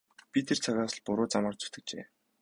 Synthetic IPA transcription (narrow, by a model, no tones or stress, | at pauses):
pʲit̪ʰert͡sʰaɣaːsə̆ɮpʊɾʊːt͡samaːrt͡su̥t̪ɘ̆k̚t͡ɕḛː